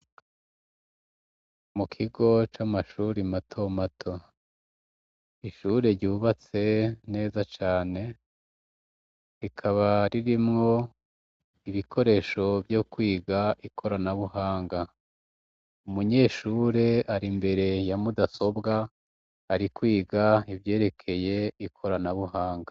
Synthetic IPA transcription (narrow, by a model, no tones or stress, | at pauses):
mukʰiɡo̞t͡ʃamaʃuːɾimatʰo̞matʰo̞ | iʃuɾeɾɟuːβat͡se̞ne̞ːzat͡ʃaːne̞ | ikʰaβaɾiɾimŋo̞ | iβikʰo̞ɾe̞ʃo̞bjo̞kwiːɡaikʰo̞ɾanaβuhaːŋɡa | umuɲe̞ːʃuːɾe̞aɾimbe̞ɾe̞jamudaso̞bɡaː | ɾikwiːɡaivje̞ːɾe̞kʰe̞je̞ikʰo̞ɾanaβuɦaːŋɡa